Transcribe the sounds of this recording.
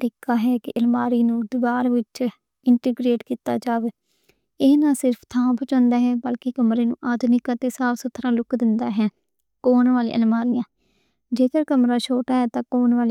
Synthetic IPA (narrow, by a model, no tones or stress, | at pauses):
t̪ɾiːkaːɦɛːkɪʔəlmaːɾiːnũːd̪ɪʋaːɾʋɪt͡ʃ | ɪɳʈɪɡɾeːʈkiːt̪aːd͡ʒaːʋeː | ɪːnãːsɪɾpʰt̪ʰãːbʱət͡ʃɔ̃ːnd̪aːɦɛːbəlkekəmɾeːnṵ̃ːʔaːd̪nɪkaːt̪eːsaːpsʊt̪ʰɾãːlʊkd̪ɪnd̪aːɦɛː | koːɳʋaːlḭːʔəlmaːɾɪjãː | d͡ʒeːkəɾkəmɾaːʃʰoːʈaːɦɛːt̪ãːkoːɳʋaːliː